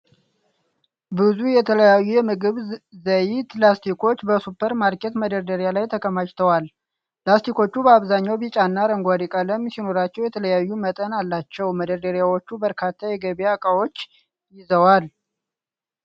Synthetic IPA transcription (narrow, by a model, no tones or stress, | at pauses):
bɨzujɛt̪ʰələjajːujɛmɨɡɨβzəjt̪last̪ʰikʰo̞t͡ʃːbəsupʰːəɾmaɾkʼɛt̪məd̪əɾd̪əɾjalajt̪ʰəkʰəmaʃt̪ʰəwal | t̪last̪ʰiko̞t͡ʃːubəaβzaɲːawbit͡ʃʼanːaɾəŋɡʷad̪ikʼələmsino̞ɾat͡ʃːɛwjɛt̪ʰələjajːumət̪ʼənalːat͡ʃːɛwməd̪əɾd̪əɾjawot͡ʃːubəɾkʰat̪ʰːajɛɡəβjakʼawo̞t͡ʃː | jɪzəwal